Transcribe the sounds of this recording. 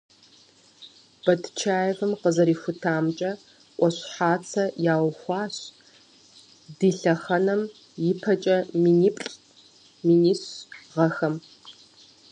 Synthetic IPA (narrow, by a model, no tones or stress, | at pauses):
b̥ɐtʰt͡ʃʰaːjɛvɨmqəzɐɾiːxʷʊtʰaːmt͡ʃʼɐ | ʔʷʼɔɕħaːt͡sʰɐjaːwxʷɑːɕ | diːɬɐχɐnɐm | jɪpʰɐt͡ʃʼɐminipʼɬʼ | miniːsʁɐxɐm